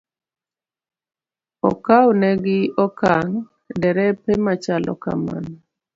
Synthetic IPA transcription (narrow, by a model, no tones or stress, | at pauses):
ɔ̰kawnɛɡɪɔkaŋ | dɛɾɛpɛmat͡ʃalɔ̰ka̰ma̰n